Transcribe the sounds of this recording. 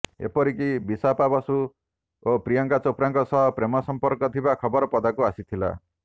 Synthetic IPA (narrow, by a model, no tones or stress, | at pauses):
ḛpɔɾikibisapabɔsu | opɾijɔŋkat͡sopɾaŋkɔsʌɦɔpɾemɔsɔmpɔɾkɔt̪ʰibakʰɔbɔɾɔpɔd̪akuasit̪ʰila̰